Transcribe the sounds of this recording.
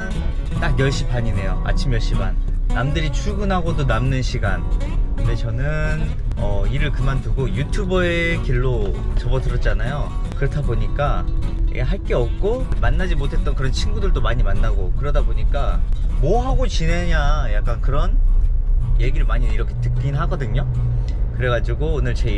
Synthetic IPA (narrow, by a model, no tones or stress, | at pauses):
t͈akjʌɭɕ͈ipaɲine̞jo̰a̰t͡ɕʰimjʌɭɕ͈iba̰nːamdɯɾit͡ɕʰuɡɯnɦaɡodonamnɯnɕʰiɡa̰nkɯnde̞t͡ɕʌnɯn | ʌiɾɯɭkɯmantɯɡojutʰubʌekiɭːot͡ɕʌbʌtɯɾʌt̚t͡ɕ͈anajokɯɾʌtʰaboɲik͈a̰ | ɦaɭk͈e̞ʌp̚k͈omanːad͡ʑimotʰet͈ʌnkɯɾʌnt͡ɕʰinɡudɯɭt͈omaɲimanːaɡokɯɾʌdaboɲik͈amoɦaɡot͡ɕinɦe̞ɲajak͈̚ankɯɾʌn | je̞ɡiɾɯɭmaɲiiɾʌkʰetɯ̥k͈inɦaɡʌdɯɲo | kɯɾe̞ɡad͡ʑiɡoːnɯɭt͡ɕe